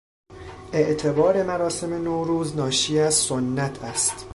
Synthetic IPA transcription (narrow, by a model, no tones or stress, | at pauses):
ʔeʔt̪ʰe̞bɒːɾe̞mæɾɒːse̞menoːɾuːznɒːʃiːæzsonːæt̪ʰæst̪